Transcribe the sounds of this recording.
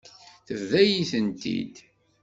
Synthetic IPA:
θəvðæjiθənt̪ḭd̪

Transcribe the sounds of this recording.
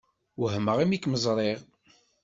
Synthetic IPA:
ɦməʁimikməzˤɾˤeʁ

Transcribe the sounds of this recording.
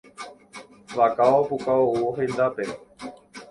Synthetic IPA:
ʋakaopukaoooɦend̪ape

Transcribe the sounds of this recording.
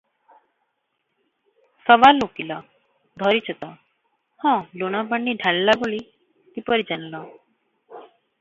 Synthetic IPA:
səʋalːokila | d̪ʱɔɾit͡ʃʰət̪a | hãloñabəɳːiɖʱallaboɭi | t̪ipəɾid͡ʒanla

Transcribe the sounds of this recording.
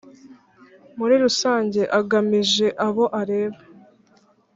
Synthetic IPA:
muɾiɾusaːɲɟe̞ʔaɡamiʒe̞ʔaβo̞ʔaɾe̞ːβa

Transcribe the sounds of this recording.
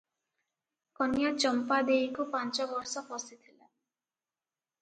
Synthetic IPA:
kɔnjat͡ʃɔmpad̪eikupant͡ʃɔbɔɾsɔpɔsit̪ʰila̰

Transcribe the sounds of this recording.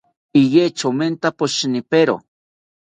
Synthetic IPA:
ijet͡ʃoment̪apoʃnɪpeɾo̰

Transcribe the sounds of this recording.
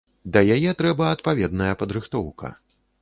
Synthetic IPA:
d̪ɐjajɛt̪ɾɛbɐɐt̪pavʲɛd̪nɐjɐpɐd̪ɾɨxt̪ɔwkʰɐ̰

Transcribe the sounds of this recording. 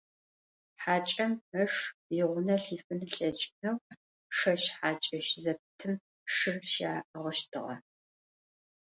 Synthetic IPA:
ħaːt͡ʃʼɐməʂjɪʁʷʊnɐɬiːfɨnɨɬɐt͡ʃʼɪnɐw | ʂɐʃħaːt͡ʃʼɐʃzɐp̚tʰɨm | ʂɨrʃaːʔʁəʃtʰɨʁɐ̰

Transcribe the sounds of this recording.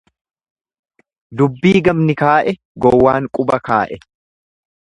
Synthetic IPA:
d̪ʊbːiːɡɐmnɪkaːʔɛ | ɡɔwːaːŋkʼʊbɐkaːʔɛ

